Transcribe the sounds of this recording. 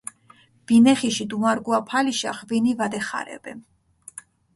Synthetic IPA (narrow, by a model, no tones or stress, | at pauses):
b̥inɛχiʃid̪umaɾɡuapʰaliʃa̰χvinivad̪ɛχa̰ɾɛ̰bɛ